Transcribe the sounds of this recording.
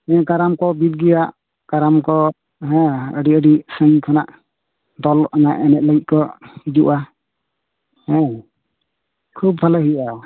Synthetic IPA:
ɛ̃kaɾamkɔbit̪̚ɡɛjaʔ | kaɾamkɔ | ɦɛ̃əɖiəɖisəŋkʰanaʔ | d̪ɔlɔʔanaʔɛnɛt̪̚ləɡit̪̚kɔid͡ʒuʔa | hɛ̃ | kʰub̚pʰaləɦia

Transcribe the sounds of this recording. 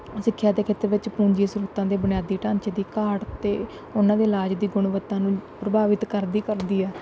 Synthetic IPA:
sɪkʰːjaːd̪eːkʰeːt̪ːəɾʋɪt͡ʃpũːɲd͡ʒiːsɾuːt̪ãːd̪eːbənɪjaːd̪iːʈãːɲt͡ʃːd̪iːkaːɽt̪eː | ʊnãːd̪eːlaːd͡ʒd̪iːɡʊɳʋət̪ːãːnũːpɾəbaːʋɪt̪kəɾd̪iːkəɾd̪iːɛː

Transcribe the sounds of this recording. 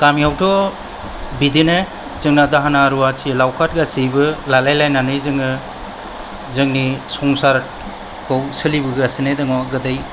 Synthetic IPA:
kamiawtʰɔ | bidinɯ | zɯŋnadaɦanaɾuatʰilawkʰat̚ɡasijbɯlalajlajnanɯjzɯŋɯ | zɯŋnisɔŋsaɾ | kʰɯwsɯlibɯɡɾasɯnedɯŋɔɡɯdaj

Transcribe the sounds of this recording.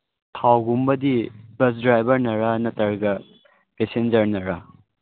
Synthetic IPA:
tʰawɡumbɐdibɐsdɾajbɐɾnɐɾanɐtɐɾɡɐ | pesend͡ʒɐɾnɐɾɐ

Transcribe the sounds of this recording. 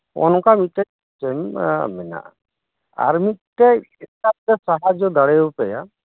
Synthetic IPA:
ɔ̰nɔkamit̪̚ˀtɛ | t͡ʃɛm̰mɛna̰ʔ | a̰ɾmit̪̚ʈɛ | ɛsap̚t̪ɛsaɦad͡ʒɔd̪aɽɛjopɛja

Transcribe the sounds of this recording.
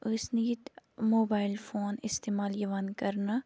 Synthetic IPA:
ʊsnit̪moːbaːɪlfoːnɪst̪eːmaːljɐʋaːnkɐɾna

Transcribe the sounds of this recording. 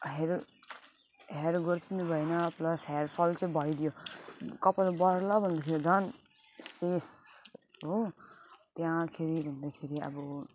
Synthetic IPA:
ɦeɾ | ɦeɾɡʌɾt̪inubʱʌenʌplʌsɦeɾpʰʌlt͡sʌĩbʱʌjd̪jokʌpalbʌɾlʌbʱʌnd̪akʰeɾid͡zʌn | ses | ɦo | t̪jãkʰeɾibʱʌnd̪akʰeɾiʌ̰bʌ

